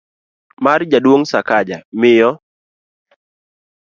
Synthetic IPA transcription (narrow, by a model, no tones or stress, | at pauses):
mard͡ʒadwoŋsakad͡ʒamɪjɔ